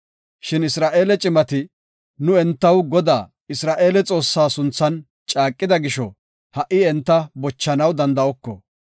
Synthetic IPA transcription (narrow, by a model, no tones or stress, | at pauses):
ʃɪnɪsɾaːʔeːlɛt͡ʃʼɪmɐt̪ɪ | nʊɛnt̪ːɐwɡɔd̪a̰ː | ɪsɾaːʔe̞ːlɛt͡sʼo̞ːsːaːsʊnt͡sːɐn | t͡ʃʼaːkʼːɪd̪ɐɡɪʃɔ̰ | hɐʔɪɛnt̪ːɐbɔt͡ʃːɐnɐwd̪ɐnd̪ɐɔkːɔ̰